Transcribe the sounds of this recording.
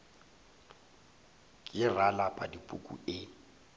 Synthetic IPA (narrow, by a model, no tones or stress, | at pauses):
kʼɪralapʼa̰dipʼṵkʼṵɪ